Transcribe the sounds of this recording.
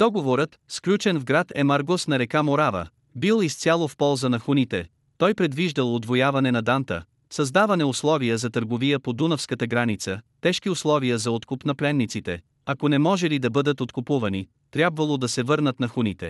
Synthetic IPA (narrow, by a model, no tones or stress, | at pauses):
d̪̥ɔɡovoɾət̪sklʲut͡ʃɛnvɡɾat̪ɛmaɾɡosnɐɾɛkamoɾavə̰ | bilˠist̪sʲjalˠofpɔlˠzənɐxunit̪ɛ | t̪ɔjpɾɛd̪viʒd̪əlˠod̪vojavɐnɛnɐd̪ant̪ə̰ | sɐzd̪avɐnɛʊslˠɔviəzɐt̪əɾɡovijəpod̪unəfskət̪əɡɾanit̪sət̪ɛʃkiʊslˠɔvijəzɐot̪kupnɐplɛnːit̪sit̪ɛ̰ | ɐkonɛmɔʒɛlid̪ɐbɤd̪ət̪ot̪kʊpuvɐni | t̪ɾʲjabvɐlˠod̪ɐsɛvɤɾnət̪nɐxunit̪ɛ̰